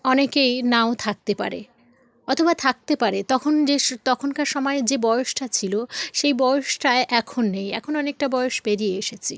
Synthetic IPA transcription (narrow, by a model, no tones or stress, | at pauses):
ɔnekejnaot̪ʰak̚t̪epa̰ɾḛ | ɔt̪ʰobat̪ʰak̚t̪epaɾet̪ɔkʰond͡ʑet̪ɔkʰonkaɾʃɔmɔed͡ʑebɔjoʃʈat͡ɕʰiloʃejbɔjoʃʈaeʔɛkʰonːejɛ̰kʰonɔnek̚ʈabɔjoʃbeɾieeʃet͡ɕʰi